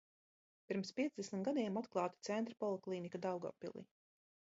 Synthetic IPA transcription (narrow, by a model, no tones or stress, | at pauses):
piɾmspʲiɛzd̪ɛsmiɡad̪iɛmat̪klˠɑːt̪i̥t̪sɛnt̪ɾpɔlˠuklˠiːnikad̪awɡɔ̰pːḭlˠḭ